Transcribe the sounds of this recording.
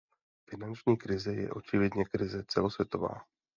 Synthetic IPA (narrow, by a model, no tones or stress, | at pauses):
fɪnant͡ʃɲiːkɾɪzɛjɛ̰ʔo̞t͡ʃɪvjɛdɲɛkɾɪzɛt͡sɛlo̞svjɛt̪o̞va̰ː